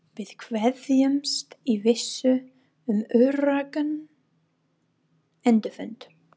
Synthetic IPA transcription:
vɪð̥kʰvɛðjʏmst̪ivɪsːʏ | ʏmœɥɾaːkan | ɛnt̪ʏfʏnt̪

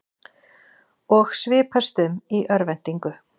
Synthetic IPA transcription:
ɔxsvɪːpʰast̪ʏmiʔœɾvɛn̥t̪iŋkʏ

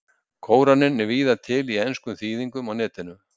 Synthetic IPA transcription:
kʰoːwɾanːɪnːɛɾviːðat̪ʰɪlienskʏmθiːðiŋkʏmawnɛːt̪ɪnʏm

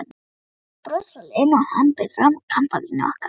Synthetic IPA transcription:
pɾosɾalɪnahampɪðfɾamkʰam̥pavinaɔ̰hka

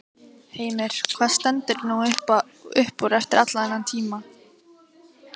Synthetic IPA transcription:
heːjmɪɾ̥kʰv̥aːðst̪ɛnt̪ɪɾnuʏhp | ʏhpuɾɛft̪ɪɾat̪laɛnːant̪ʰiːma

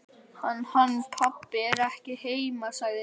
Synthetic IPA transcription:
hanːhanːpʰapːɪɛɾɛhcɪheːjmasaːɣðɪ

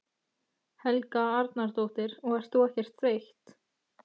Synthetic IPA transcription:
hɛlkaaɾt̪naɾ̥t̪owht̪ɪɾɔɣɛɾ̥st̪oɛhcɛr̥t̪θɾejht̪

